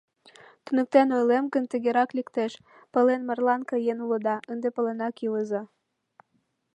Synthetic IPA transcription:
t̪ynə̆k̚t̪enojlemɣənt̪əɣeɾɑklikt̪eʃ | pə̆lenmərlɑnkɑjenulə̆d̪ɑʔənd̪epə̆lenɑkjuəzɑ

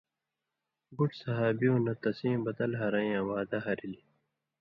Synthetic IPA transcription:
buʈsɐɦaːbiũnɐt̪ɐsĩːmbɐt̪ɐlɦɐɾɐ̃j̃ãwaːd̪ɐɦɐɾili

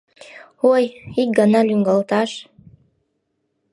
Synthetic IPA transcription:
ojik̚ɡɑnɑlʲyŋɡɑlˠt̪ɑʃ

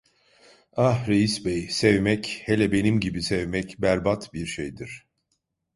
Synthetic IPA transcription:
ahɾejisbɛjsevmɛchelʲɛbe̞nimɟibisevmɛcbæɾbat̪biɾʃejd̪iɾ̥

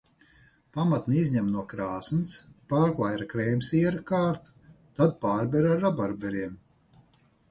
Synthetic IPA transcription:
pamat̪nʲizʲɲɛmnuɔkɾaːsnspaːɾklˠajɾakɾɛjmsiɛɾakaːɾt̪ | t̪ad̪̚paːɾbɛɾaɾːabaɾbʲɛɾiɛm

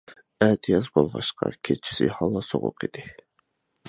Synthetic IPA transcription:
æt̪ʰijɑsbolˠʁɑʃqɑ̰kʲʰet͡ʃʰi̥sɪhɑlˠːɑsoʁʊ̰qʰid̪̥ɪ

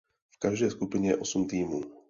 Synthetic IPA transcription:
fkaʒd̪ɛjskupiɲɛjɛ̰ʔɔsumt̪iːmuː

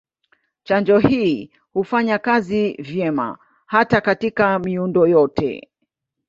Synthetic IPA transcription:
t͡ʃand͡ʒɔhiː | hufaɲakazivjɛma̰ | hatakatikamiundɔjɔtɛ̰

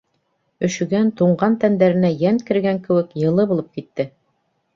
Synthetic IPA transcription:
ɵ̆ʃɵ̆ɡænt̪uɴɢɑnt̪ænd̪æɾɘ̆næjænkɘ̆ɾɡæŋkɘ̆wɘkjɤ̆lˠɤbulˠɤp̚kit̪ːɘ

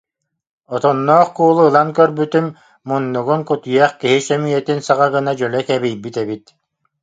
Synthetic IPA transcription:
ɔt̪ɔnːɔːχkuːlˠuːlˠaŋkœɾbyt̪ym | mɔnːuɡuŋkut̪ujɛχkiɦisœmiɛt̪insaʁaɡɯnad͡ʒœlɛkɛβijbit̪ɛβit̪

